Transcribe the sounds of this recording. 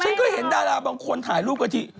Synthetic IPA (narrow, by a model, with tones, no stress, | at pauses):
t͡ɕʰa˦˧˥nkɔː˧˥˩he˩˦ndaː˧˩laː˧˩wbaː˧ŋkʰo˧nt̪ʰaː˩˦jluː˥˩p̚ka˧t̪ʰi˧˩